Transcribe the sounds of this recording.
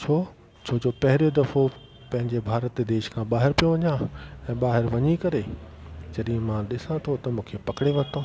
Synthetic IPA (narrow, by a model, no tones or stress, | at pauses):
t͡ɕʰoː | t͡ɕʰoːd͡ʑoːpɐɦɪɾjod̪ɐfo | pɐ̃ɦɪ̃ɲd͡ʑebʱaːɾət̪ːd̪eːʃkʰãːɓaːɦɪɾpijoʋɐɲãɛ̃ːɓaːɦɪɾʋɐɲikɐɾed͡ʑɐɗĩmãɗɪsãt̪ʰot̪ɐmũːkʰepɐkɽeʋɐɾt̪oː